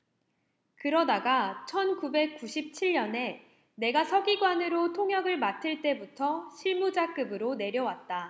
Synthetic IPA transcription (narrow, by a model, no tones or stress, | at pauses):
kɯɾʌdaɡat͡ɕʰʌnkube̞k̚k͈uɕʰip̚t͡ɕʰiʎːʌne̞ | ne̞ɡasʰʌɡiɡwanɯɾotʰoŋjʌɡɯɭmatʰɯɭt͈e̞butʰʌɕʰiɭmud͡ʑak͈ɯbɯɾone̞ɾjʌwat̚t͈a